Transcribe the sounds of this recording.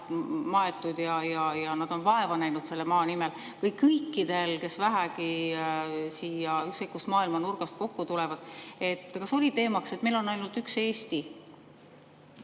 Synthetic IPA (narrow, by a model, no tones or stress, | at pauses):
mɑet̪ːˑud̪̥jɑjɑjɑnɑd̪̥o̞nvɑe̞vɑnæjnud̪̥se̞lːemɑːnimel | kɯjkːɤjkˑːid̪̥e̞lke̞svæɦæki | siːjɑyksekːˑust̪mɑːilmɑnurɡ̥ɑst̪̚ko̞kːut̪ulɛ̞vɑd̪̥e̞t̪ːˑkɑso̞lʲit̪e̞ːmɑkse̞t̪me̞jlo̞nːɑjlnult̪ykse̞ːst̪i